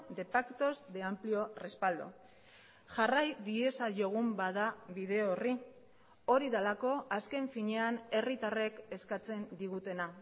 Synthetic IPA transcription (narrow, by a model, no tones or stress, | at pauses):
d̪e̞pakt̪o̞zd̪e̞amplio̞rispald̪o̰ | ʝarajðie̞saʝo̞ɣ̞umbaðaβiðe̞oori | oɾiðalako̞aske̞ɱfiɲe̞ane̞rit̪are̞ke̞skat͡se̞nd̪iɣut̪e̞na